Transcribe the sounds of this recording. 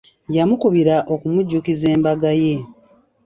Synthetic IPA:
jamukuβiɾaʔo̞kumuɟːukize̞ːmbaɡaje̞

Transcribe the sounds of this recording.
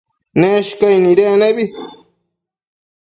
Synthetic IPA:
neʃkajniɾeneβi

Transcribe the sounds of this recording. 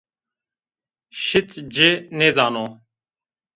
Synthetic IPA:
ʃɪt̪d͡ʒeːnẽːd̪aːnoː

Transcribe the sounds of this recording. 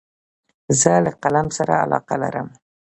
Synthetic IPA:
zəlaqalamsaɾaa̰lɑ̰qala̰ɾəm

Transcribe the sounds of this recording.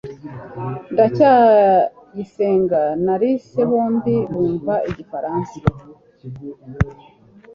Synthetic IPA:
ndaca | jise̞ːŋɡanaɾise̞βoːndiβuːɱvaʔiɟifaɾaːnsḁ

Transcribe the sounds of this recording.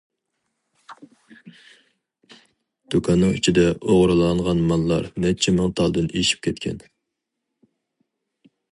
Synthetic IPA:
d̪̥okʰɑnːɨŋyt͡ʃʰid̪ɛʔoʁɾɨlˠɑɴʁɑnmɑnlˠɑɾmɛt͡ʃʰɛmɨŋt̪ʰɑlˠd̪ɨneʃi̥p̚kʲʰɛt̪̚kʲʰɛ̰n

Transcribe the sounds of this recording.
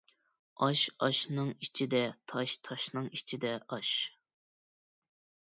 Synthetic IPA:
ɑʃɑʃnɨŋit͡ʃʰid̪ɛt̪ʰɑʃt̪ʰɑʃnɨŋit͡ʃʰid̪ɛʔɑʃ

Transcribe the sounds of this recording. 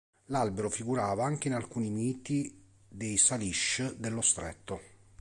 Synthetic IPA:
lalbeɾofiɡuɾaːvaaŋk̟einalkuːnimiːt̪i | d̪ejsaliʃd̪elːost̪ɾɛ̰t̪ːo

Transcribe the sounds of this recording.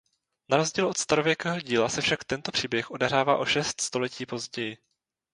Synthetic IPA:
naɾo̞zɟiːlo̞t̪st̪aɾovjɛkɛːɦo̞ɟiːlasɛfʃakt̪ɛnt̪o̞pr̥iːbjɛxʔo̞dɛɦɾaːva̰ːʔo̞ʃɛst̪st̪o̞lɛciːpo̞zɟɛjɪ

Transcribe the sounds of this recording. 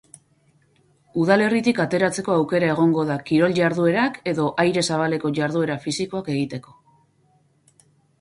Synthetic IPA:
uðale̞rit̪ikat̪e̞ɾat͡se̞ko̞awke̞ɾae̞ɣ̞o̞ŋɡo̞ðakiɾo̞lʝaɾðue̞ɾake̞ðo̞ʔajɾe̞saβ̞ale̞ko̞ʝaɾðue̞ɾafisiko̞ake̞ɣ̞it̪e̞ko̞̥

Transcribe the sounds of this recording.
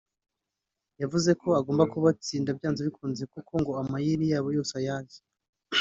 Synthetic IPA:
javuze̞kʰo̞aɡoːmbakuβat͡siːndabjaːnzoβikʰuːnzekukʰo̞ŋɡo̞amajiɾijaːβojo̞ːsajazi̥

